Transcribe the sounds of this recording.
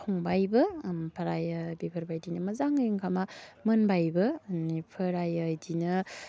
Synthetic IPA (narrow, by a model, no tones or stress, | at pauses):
kʰoŋbajbɐmpʰɐɾajɐbibʰɐɾbajdinɐmɐzaŋɯjiŋkʰamamɐnbajbɐnipʰɐɾajɐdinɯ